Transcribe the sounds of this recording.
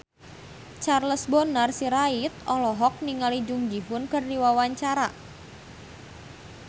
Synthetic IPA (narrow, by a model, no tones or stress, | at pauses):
t͡ʃarləsbonarsiɾait̪̚ɔlɔɦɔk̚niŋalid͡ʒʊŋd͡ʒiɦʊnkərdiwawaɲt͡ʃaɾa